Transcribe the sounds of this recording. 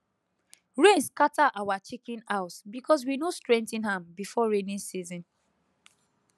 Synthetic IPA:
ɹẽnskataʔawat͡ʃikĩnaʊsbikɔs̬winostɹɛ̃ntĩnhãmbifɔɹenĩnsizɔ̃n

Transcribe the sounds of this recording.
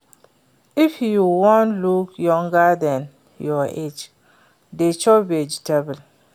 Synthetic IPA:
ifjuwɔ̃ntlukjɔ̃ŋɡadɛ̃n | jɔʔed͡ʒ | det͡ʃɔbied͡ʒitebɛl

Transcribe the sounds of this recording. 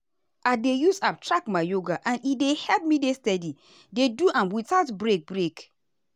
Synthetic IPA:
ʔadejusap̚tɹakmaɪjoɡaʔãnidehɛlp̚midestɛdi | deduʔãmwitaʊtbɹek̚bɹek

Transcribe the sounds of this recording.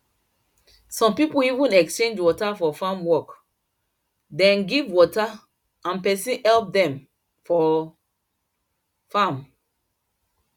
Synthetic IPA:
sɔ̃mpipuivĩnɛkst͡ʃẽnd͡ʒwɔtafɔfãmwɔk | dɛ̃nɡivwɔta | ãnpɛsĩnɛlp̚dɛ̃m | fɔ | fãm

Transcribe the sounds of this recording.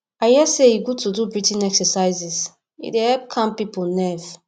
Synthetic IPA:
aɪhiɛsejiɡud̚tudubɹitĩnɛksəsaɪzis | ḭdehɛlp̚kʰãmpipulnɛv

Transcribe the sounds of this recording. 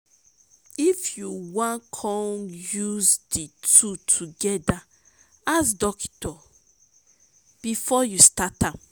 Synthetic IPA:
ifjuwãnkʰɔ̃njuzditʰutʰuɡɛda | asdɔktɔ | b̥ifɔjustatãm

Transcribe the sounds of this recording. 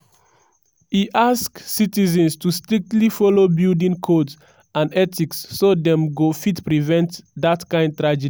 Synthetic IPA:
hiʔasksitizɛ̃nstustɹik̚tlifɔlobildĩŋkʰods | ãndɛtiksːodɛ̃mɡofitpɹivɛ̃ntdatkãɪ̃nd̚tɹad͡ʒɛdi

